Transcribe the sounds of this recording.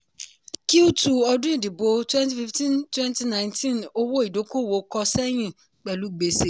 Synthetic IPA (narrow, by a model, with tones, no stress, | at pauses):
ki˦u˦tu˦ɔ˦dʊ̃˦i˦˨di˨bo˨twɛ̃˦nt̬i˦fi˦ftĩ˦ntwɛ̃˦n˦ti˦nã˨ɪ̃˨ntʰĩ˦no˦wo˦i˨do˨˦ko˦˨wo˨˦kɔ˧sɛ˦ɲ̃ĩ˦ | k͡pɛ˨lu˨˦ɡ͡be˨se˨